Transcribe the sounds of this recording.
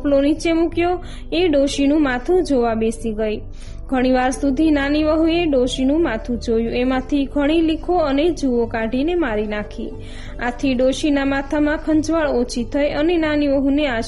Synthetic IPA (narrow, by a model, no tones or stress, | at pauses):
plonit͡ʃemukjo | eɖoʃinũmat̪ʰũd͡ʒoʋabesiɡəj | ɡʱəɽ̃iʋaɾsud̪ʱinaniʋəɦũeɖoʃinũmat̪ʰũd͡ʒojũemãt̪ʰiɡʱəɽ̃ilikʰoəned͡ʒuʋokaɖʱinemaɾinakʰḭ | a̰t̪ʰiɖoʃinamat̪ʰamãkʰə̃nd͡ʒʋaɭot͡ʃʰit̪ʰəjənenaniʋəɦũneaʃ